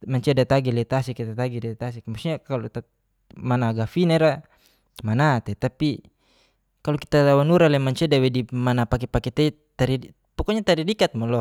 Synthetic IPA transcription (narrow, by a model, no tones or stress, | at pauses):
maɲt͡ʃɛdat̪aɡilɛt̪asikit̪at̪aɡidat̪asikmasɲakalɔt̪ | manaɡafinaiɾa | manat̪ɛt̪api | kalɔki̥t̪at̪awanuɾalɛmaɲt͡ʃɛdawɛdimanapakɛpakɛt̪ɛ | t̪aɾi | pɔkɔɲat̪aɾidikat̪̚mɔlɔ